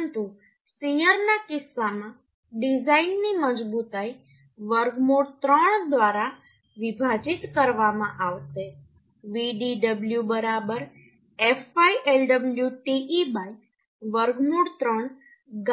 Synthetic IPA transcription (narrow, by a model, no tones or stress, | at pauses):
nt̪u | siəɾnakɪsːamã | ɖid͡ʒainːiməd͡ʒbut̪ai | ʋəɾɡmuɽt̪ɾəɳd̪ʋaɾa | ʋɪbʱad͡ʒit̪kəɾʋamãʔaʋʃe | ʋiɖiɖəbljubəɾabəɾ | efaiʔelɖəbljuʈiʔibaik | ʋəɾɡmuɽt̪ɾəɳ | ɡ